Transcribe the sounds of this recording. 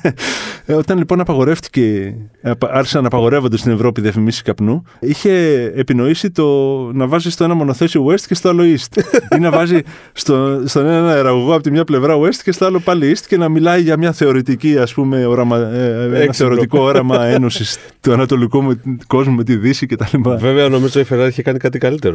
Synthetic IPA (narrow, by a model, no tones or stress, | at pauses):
o̞t̪ɐnlipo̞nɐpɐɣo̞ɾe̞ft̪i̥ce̞pɐɾçi̥sɐnɐpɐɣo̞ɾe̞vo̞nd̪est̪ine̞vɾo̞piðiɐfimisi̥skɐpnu | içe̞ːpino̞isit̪o̞nɐvɐzist̪o̞e̞nɐmo̞no̞θe̞siowest̪ce̞st̪o̞ɐlo̞ist̪inɐvɐzi | st̪ost̪o̞ne̞nenɐeɾɐɣo̞ɣoɐpot̪imɲɐple̞vɾɐue̞st̪ce̞st̪oalo̞pɐliist̪ce̞nɐmilɐiʝɐmɲɐθe̞o̞ɾit̪iciɐspume̞o̞ɾɐmɐenɐθeo̞ɾit̪ikoo̞ɾɐmɐe̞no̞sis | t̪uɐnɐt̪o̞likumeko̞zmume̞t̪iðisice̞t̪ɐlipɐve̞veɐno̞mizot̪oifeɾɐðiçekɐnikɐt̪ikɐlit̪e̞ɾo